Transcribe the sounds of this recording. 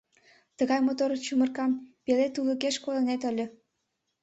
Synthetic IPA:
t̪əɣɑjmot̪oɾt͡ɕumə̆rkɑmpelet̪uləkeʃkolə̆net̪ə̆lʲə̆

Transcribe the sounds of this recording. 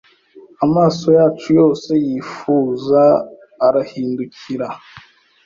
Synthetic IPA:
amaːso̞jaːt͡ʃujo̞ːse̞jiːfuːzaː | ɾahiːnduciɾa

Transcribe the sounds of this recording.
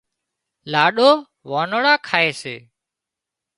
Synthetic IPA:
laːɗoː | ʋaːnəɽaːkʰaːeːsḛː

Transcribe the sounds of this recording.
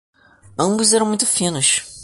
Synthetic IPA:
ɐ̃mbʊzɛɾɐ̃w̃mũj̃t̪ʊ̥fĩnʊʃ

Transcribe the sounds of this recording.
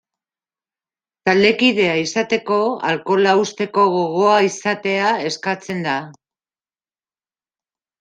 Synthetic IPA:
t̪ald̪e̞kiðe̞aisat̪e̞ko̞a̰lko̞laust̪e̞ko̞ɣo̞ɣ̞o̞aisat̪e̞ae̞skat͡se̞nd̪a

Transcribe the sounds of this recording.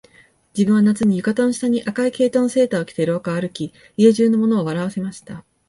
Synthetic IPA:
d͡ʑibɯ̟ɰ̃βanat͡sɨɲ̟ijɯ̟kat̪õ̞ɰ̃ɕi̥t̪aɲ̟iʔakaike̞ːt̪õñse̞ːt̪aokʲi̥t̪e̞ɾookaaɾɯ̟kʲi | ieʑɨːno̞mo̞no̞ːβ̞aɾaβ̞ase̞maɕi̥t̪a

